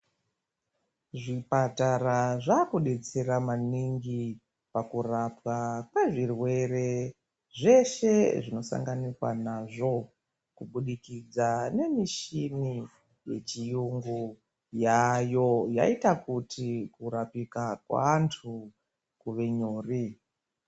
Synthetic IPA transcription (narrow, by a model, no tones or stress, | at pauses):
ʐipataɾaʐakuɗe̞t͡se̞ɾamaniŋɡi | pakurapwakweʐirwe̞re̞ | ʐe̞ʃe̞ʐino̞sa̰ŋɡanikwa̰naʐo̞ | kuɓuɗikid͡zane̞miʃini | je̞t͡ʃijuŋɡu | jajo̞ja̰itakutʰikuɾapikakwa̰ːntʰu | kuʋe̞ɲoːri